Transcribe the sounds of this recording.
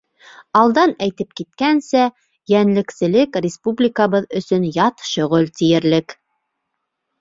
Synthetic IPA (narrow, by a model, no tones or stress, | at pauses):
ɑlˠd̪ɑnæjt̪ɘp̚kit̪kænsæ | jænlɘ̆ksɘ̆lɘkrʲɪspublʲɪkaβɤðɵ̆sɵnjɑt̪ʃɵ̆ʁɵlt̪ijɘ̆ɾlɘk